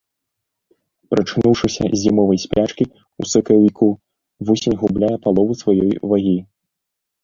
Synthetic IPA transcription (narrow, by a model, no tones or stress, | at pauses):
pɾʔɐt͡ʂnuwʂɨsʲɐ̰zʲimɔvɐjsʲpʲat͡ʂkʲi | usɨkɐwʲikʰu | vɔsʲenʲɣublʲajɛpalˠɔvusvajɔjvaɣʲi